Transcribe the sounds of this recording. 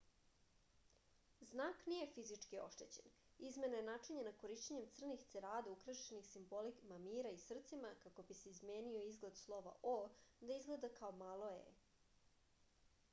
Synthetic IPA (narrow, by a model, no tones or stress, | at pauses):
znaːknije̞fizit͡ʂkio̞̰ʃt̪e̞t͡ɕe̞n | izme̞naenat͡ʃeɲanako̞ɾiʃt͡ɕeɲe̞mt̪sr̩nixt̪seɾaːd̪aukɾaʃenixsimbo̞likmamiːɾaisr̩t̪simakako̞bise̞izmeːnio̞izɡled̪slˠo̞ʋa̰ʔod̪aizɡle̞d̪akaomaːlˠo̞ḛ